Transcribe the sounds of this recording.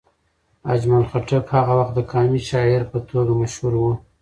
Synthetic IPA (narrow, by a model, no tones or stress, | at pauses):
a̰d͡ʒmalxaʈəfhaɣawaxt̪̚d̪əkʰɑmiʃɑɪɾpət̪ʰoɡamaʃhuɾwu